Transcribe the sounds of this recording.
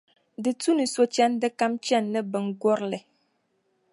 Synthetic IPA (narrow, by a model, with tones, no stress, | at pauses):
dɨ˨tu˦nɨ˨so˨t͡ʃɛ˦n˦dɨ˦ka˦mt͡ʃɛ˦˨nːɨ˦bə˨ŋ̩˨ɡɔ˦ɾlɛ˨